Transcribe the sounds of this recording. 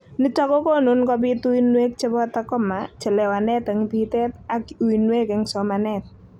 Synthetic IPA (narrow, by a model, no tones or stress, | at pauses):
nət͡ʃɔkɔkonʊnkɔp̬it̪uwinuek̚t͡ʃəpɔt̪əkɔmaʔd̥d͡ʒ̥ə̤lewanɛt̪əŋpit̪ɛt̪̚akiuwinuekɪŋsɔmanɛt̪̚